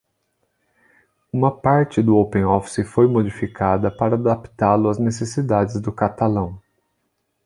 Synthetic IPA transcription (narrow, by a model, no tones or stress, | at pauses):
ũmɐpaɾt͡ʃɪd̪ʊowpẽɔfsɪfojmod͡ʒifikʰad̪ɐpaɾɐːd̪apt̪alʊɐznesesid̪ad͡ʒɪzd̪ʊkat̪alɐ̃w̃